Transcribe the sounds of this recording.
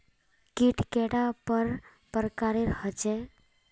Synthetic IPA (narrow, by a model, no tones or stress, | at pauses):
kiʈkeɽapəɾ | pəɾkaɾeɾhət͡ʃe